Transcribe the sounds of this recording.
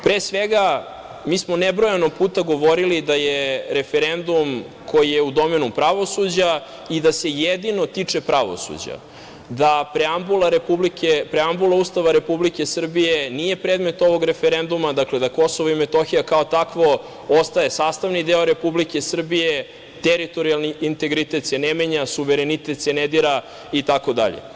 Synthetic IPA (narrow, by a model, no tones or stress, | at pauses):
pɾesʋeɡa | miːsmonebɾojanopuːt̪aɡo̞ʋoɾilid̪ajeɾe̞feɾe̞nd̪um | ko̞jijeud̪o̞me̞nupɾaʋo̞sud͡ʑa | id̪ase̞jed̪ino̞t̪it͡ʂe̞pɾaʋo̰sṵd͡ʑa̰ | d̪apɾeambulaɾepublikʰepɾeambulˠaust̪aʋaɾe̞publike̞sr̩bijenije̞pɾeːd̪me̞t̪o̞ʋo̞ɡɾefeɾe̞nd̪umad̪akled̪ako̞soʋoimet̪o̞xijakaot̪akʋo̞ | ost̪aje̞saːst̪aʋnid̪eoɾe̞publike̞sr̩bije | t̪eɾit̪o̞ɾialˠniint̪e̞ɡɾit̪e̞t̪senemeɲasuʋeɾenit̪et̪sened̪iɾa | it̪ako̞d̪a̰ʎḛ